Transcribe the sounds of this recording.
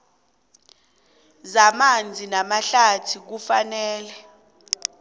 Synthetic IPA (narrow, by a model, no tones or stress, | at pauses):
zamand͡zʱinamaɬatʰik̬ufanɛːlɛ